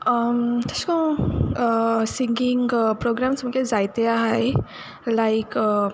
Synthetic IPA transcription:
ʌmt̪ʰaskɔ̃ | siŋɡiŋpɾoɡɾamsmukezajt̪eaɦaj | lajk

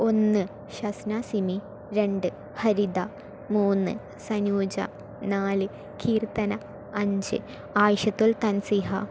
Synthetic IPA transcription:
o̞nːɨ | ɕɐsnasimi | ɾe̞ɳɖɨ | hɐɾid̪a | muːnːɨ̰ | sɐnuːd͡ʑɐ̰ | naːlɨ | kiːrt̪ɐnɐ | ɐɲd͡ʑɨ̰ | aːjɕɐt̪ːult̪ɐnsiɦɐ

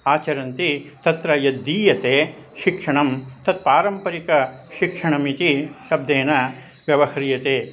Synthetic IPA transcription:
aːt͡ʃɐɾɐnt̪it̪ɐt̪ɾɐjɐd̪ːiːjɐt̪eːʃikʂɐɳɐmt̪ɐt̪̚paːɾɐmpɐɾikɐʃikʂɐɳɐmit̪iʃɐb̚d̪eːnɐ | ʋjɐʋɐhɐɾijɐt̪eː

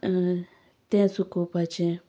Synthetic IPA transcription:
t̪ẽsukupat͡ʃẽ

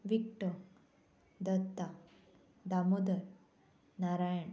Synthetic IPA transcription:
ʋikʈə | d̪ət̪ːa | d̪amod̪əɾ | naɾajəɳ

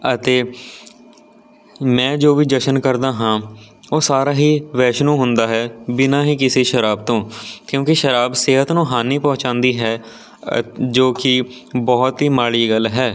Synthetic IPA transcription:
ət̪eː | mɛ̃ːd͡ʒoːʋiːd̪əʃənkəɾd̪aːɦãː | oːsaːɾaːɦiːʋɛːʃnũːɦʊnd̪aːɦɛːbɪnãːɦiːkɪseːʃəɾaːb̚t̪õːkjõːkɪʃəɾaːbseːɦət̪nũːɦaːniːpɔ̃ːt͡ʃãːnd̪iːɦɛː | d͡ʒoːkɪ | bɔːt̪ɦiːmaːɭiːɡəlɦɛː

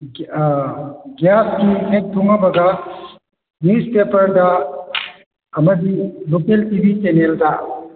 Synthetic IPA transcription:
ɡjaskiɦek̚dʱuŋabɐɡa | nuspepɐɾdɐ | ɐmɐdilokeltibʱit͡ʃenelta

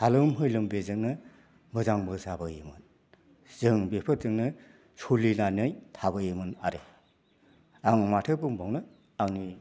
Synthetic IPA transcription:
halɯmɦɯjlɯmbezɯŋnɯ | mɯzaŋbɯzabɯjimɯn | z̥ɯŋbepʰɯɾzɯŋnɯ | sulinanɯjtʰabɯjimɯnaɾe | aŋmatʰɯbɯŋbawnɯ | aŋni

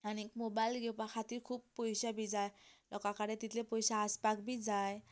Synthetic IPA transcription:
anikmobajlɡewpakʰat̪iɾkʰub̚pojsabizajlɔkakaɽɛt̪it̪lepojsaːspak̚bizaj

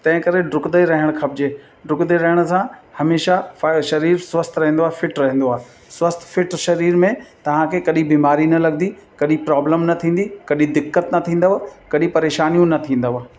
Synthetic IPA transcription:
t̪ɐ̃ɦɪ̃kɐɾeɖɾʊkd̪eɾɐɦəɽ̃xʰɐb̚d͡ʑeː | ɖɾʊkd̪eɾɐɦɪɽ̃ʊ̆sãhɐmeːʃaʃɐɾiːɾswɐst̪ʰɾɐɦẽn̆d̪oaːɦefɪʈɾɐɦẽn̆d̪oaːɦe | swɐst̪ʰfɪʈʃɐɾiːɾmẽt̪ɐʋ̤ãkʰeːkɐɗĩbiːmaːɾinɐlɐɡ̚d̪ikɐɗipɾaːbləmnɐt̪ʰĩːn̆d̪ikɐɗĩd̪ɪkːət̪nɐt̪ʰĩːn̆d̪əʋkɐɗĩpɐɾeːʃaːnijũnɐt̪ʰĩːn̆d̪əʋ

